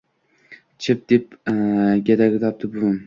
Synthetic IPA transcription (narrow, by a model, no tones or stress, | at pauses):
t͡ʃʰɪp̚d̪̥ep̚ | ɡʲed̪aɡʲɪt̪ʰɒp̚t̪ʰɪbʊʊn